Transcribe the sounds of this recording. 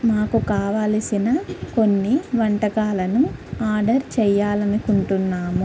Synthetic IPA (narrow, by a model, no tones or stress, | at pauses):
maːkukaːʋaːlsinɐko̞nːiʋɐɳʈɐkaːlɐnuaːɾɖɐɾt͡ʃɛːjːaːlɐnikuɳʈunːaːmu